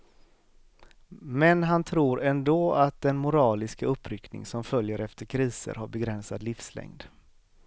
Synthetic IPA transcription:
mɛnɦant̪ʰɾuːɾɛnd̪oːat̪̚d̪ɛnmʊɾɑːlɪskaɵpːɾʏknɪ̰ŋsɔmfœljəɾɛft̪ʰəɾkʰɾiːsə̰ɾhaɾbɛɡɾɛnsad̪lɪfslɛ̰ŋd̪

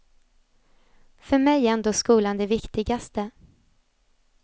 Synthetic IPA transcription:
fœɾmɛjɛnd̪oːskuːland̪ɛvɪkt̪ɪɡast̪ə

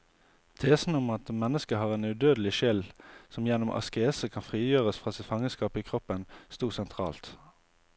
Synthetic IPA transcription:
t̪ʰeːsn̩ɔmɑt̪mɛnːəskəɦɑːʁeːnʉd̪øːd̪əlɪʃɪlsɔmjɛnːʊmʔɑ̰skəeːsəkʰɑnfʁiːjøːʁəsfʁɑːsɪt̪fɑŋəskɑːpiːkʰʁɔpːənst̪uːʁsɛnt̪ʰʁɑ̰ːlt̪

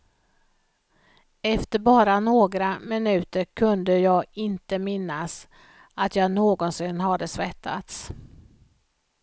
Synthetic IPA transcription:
ɛft̪əɾbɑːɾanoːɡɾamɪnʉ̟ːt̪əɾkʰɵnd̪əjɑːɡɪnt̪əmɪnːas | at̪jɑːɡnoːɡɔnsɪnːɦad̪ːəsvɛt̪ʰːa̰t̪s

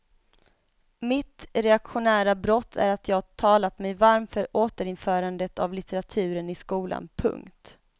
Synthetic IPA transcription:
mɪt̪ɾɛakɧʊnæːɾabɾɔt̪ʰːæ̰ɾat̪ʰjɑːt̪ʰɑːlat̪mɛjvaɾmfœɾʔoːt̪əɾɪnfœːɾand̪ət̪ʰa̰vlɪt̪ɛɾat̪ʰʉ̟ːɾənɪskuːla̰npʰɵ̰ŋkt̪

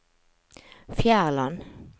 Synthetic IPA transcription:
fjæːʁlɑn

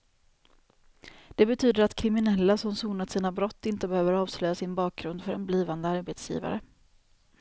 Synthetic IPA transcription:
d̪̥ɛbɛt̪ʰyːd̪əɾat̪kʰɾɪmɪnɛlːasɔmsuːnat̪siːnabɾɔt̪ːɪnt̪əbɛhøːvəɾɑːvslœjasɪnbɑːk̚ɡɾɵnd̪fœɾɛnbliːvand̪əaɾbeːt̪sjḭːva̰ɾə

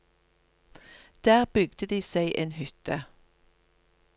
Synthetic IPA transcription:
d̪̥æːʁbʏɡd̪̥əd̪iːseɪʔeːnhʏt̪ə

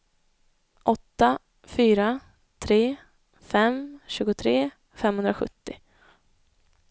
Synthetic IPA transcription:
ʔɔt̪ːa | fyːɾa | t̪ʰɾeː | fɛmɕʉ̟ːɡʊt̪ʰɾeː | fɛmːhɵnd̪ɾaɧɵ̰t̪ːɪ

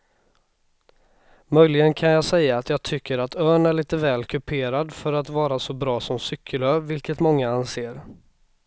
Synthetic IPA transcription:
mœjlɪɡənkʰanjɑːsɛjːaːt̪jɑːɡ̚t̪ʰʏkʰːəɾat̪œːɳæɭiːt̪əvɛːlkʰɵpʰeːɾad̪fœɾat̪vɑːɾasɔbɾɑːsɔmsʏkʰːəløːvɪlkət̪mɔŋːaanseːɾ

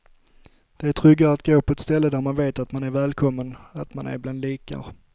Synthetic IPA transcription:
d̪̥ɛæʈʰɾʏɡːaat̪ɡoːpʰɔɛt̪st̪ɛlːəd̪æɾmanveːt̪at̪manæɾvɛːlkʰɔmːənat̪manæ̰ɾbland̪liːka̰ɾ

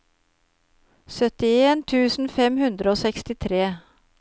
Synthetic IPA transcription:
sœt̪ɪeːnt̪ʰʉːsn̩fɛmhʉnd̪ɾəoːsɛkst̪ɪt̪ʰɾeː

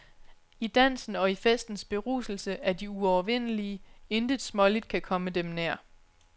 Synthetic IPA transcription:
id̥æn̰sn̩ɒ̽ifesd̥n̩sb̥e̝ʁṵːsl̩səæd̥iuɒʊɐʋen̰əlie̝nd̥ə̥smɒ̽lid̥̚kʰækʰɒ̽məd̥emneɐ̰

